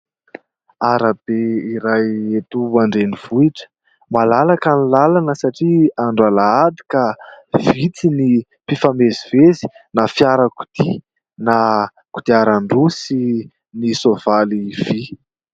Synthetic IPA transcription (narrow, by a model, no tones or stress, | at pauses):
aɾab̥eiɾajet̪uaɳɖ͡ʐeniv̥uiʈ͡ʂə̥ | malalakanilalanəsaʈ͡ʂiaɳɖ͡ʐalaad̪i̥kav̥it͡sini | pifamezivezi̥nafjaɾəku̥t̪i | na | ku̥t̪iaɾaɳɖ͡ʐusi | nisovaliv̥i